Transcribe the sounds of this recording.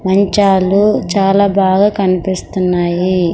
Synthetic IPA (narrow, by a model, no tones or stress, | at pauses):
mɐɲt͡ʃaːlut͡ʃaːlaːbaːɡaːkɐnipist̪unːaːji